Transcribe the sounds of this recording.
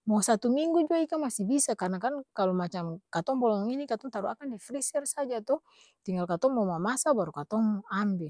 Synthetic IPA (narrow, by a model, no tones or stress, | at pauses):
mɔsat̪umiŋɡud͡ʒuaikamasibisakarnakankalɔmat͡ʃamkat̪ɔŋbɔlɔŋŋinikat̪ɔŋt̪aɾua̰kandifɾisɛrsad͡ʒat̪ɔ | t̪iŋɡalkat̪ɔŋmɔmamasabaɾukat̪ɔŋambɛ